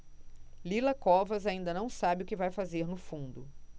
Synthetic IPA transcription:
lilɐkɔvɐzaĩnd̪ɐnɐ̃w̃sabɪʊkɪvajfazeɾnʊfũd̪ʊ

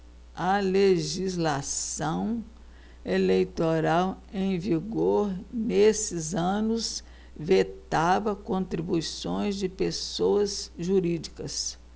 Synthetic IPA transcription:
ɐleʒizlasɐ̃w̃ | elejt̪oɾaw | ẽj̃viɡoɾnesɪzɐ̃nʊs | vet̪avɐkõnt̪ɾibujsõj̃zd͡ʒɪpesowɐzʒuɾid͡ʒikɐs

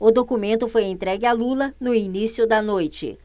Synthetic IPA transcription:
ʊd̪okumẽnt̪ʊfojẽt̪ɾɛɡɪalulɐnʊinisiʊd̪ɐnojt͡ʃɪ̰

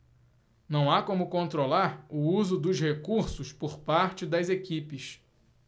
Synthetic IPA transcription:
nɐ̃w̃akõmʊkõnt̪ɾolaɾʊuzʊd̪ʊzhekuɾsʊspoɾpaɾt͡ʃɪd̪ɐzekipɪs

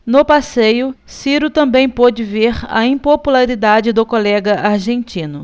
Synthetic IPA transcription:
nʊpasejʊ | siɾʊt̪ɐ̃mbẽj̃pod͡ʒɪveɾɐ̰ĩpopulaɾid̪ad͡ʒɪd̪ʊkolɛɡɐʔaɾʒẽnt͡ʃĩnʊ

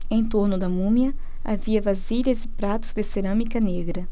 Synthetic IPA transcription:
ẽj̃t̪oɾnʊd̪ɐmũmjɐ | a̰viɐvaziʎɐzɪpɾat̪ʊ̥zd̪ɪseɾɐ̃mikɐneɡɾɐ

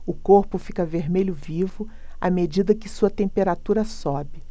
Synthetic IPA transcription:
ʊkoɾpʊfi̥kɐveɾmeʎʊvivʊ | a̰med͡ʒid̪ɐkɪsuɐt̪ẽmpeɾat̪uɾɐsɔbɪ

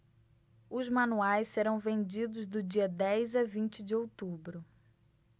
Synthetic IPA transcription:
ʊzmɐ̃nuajsseɾɐ̃w̃vẽnd͡ʒid̪ʊzd̪ʊd͡ʒiɐd̪ɛjzɐvĩnt͡ʃɪd͡ʒɪowt̪ubɾʊ

